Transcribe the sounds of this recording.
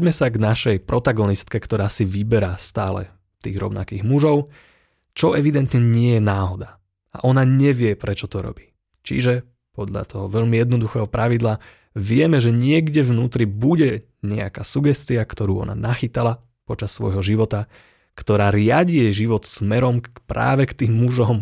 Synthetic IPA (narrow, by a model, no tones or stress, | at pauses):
ɟmɛsaɡnaʃɛjpɾɔt̪aɡɔnist̪kɛkt̪ɔɾaːsiʋibɛɾast̪aːlɛ̰ | t̪iːɣɾɔ̰ʊnʔa̰kiːɣmuʒɔʊ | t͡ʃɔʔɛʋid̪ɛnt̪ɲɛɲɪɛjɛnaːɦɔd̪a | a̰ʔɔnaɲɛʋɪɛpɾɛt͡ʃɔt̪ɔɾɔ̰bi̥ | t͡ʃḭʒɛ | pɔd̪ʎa̰t̪ʰɔɦɔʋɛʎmijɛd̪nɔd̪uxɛːɦɔpɾʔaʋid̪la | ʋɪɛmɛʒɛɲɪɛɡɟɛvnuːt̪ɾibuɟɛ | ɲɛa̰kaːsuɡɛst̪iakt̪ɔɾuːɔ̰na̰naxit̪ala | pɔt͡ʃasːʋɔ̰jɦɔʒiʋɔt̪a | kt̪ɔɾaːɾɪaɟijɛʒiʋɔt̪smɛɾɔmpɾʔa̰ːʋɛkt̪iːmːuʒɔm